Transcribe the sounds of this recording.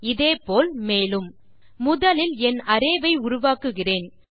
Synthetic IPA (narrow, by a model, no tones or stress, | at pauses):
ɪðeːpoːlmeːlɯm | mʊðɐlɪlɛnɐɾeːʋɐɪʊɾʊʋaːkɯɣɪreːn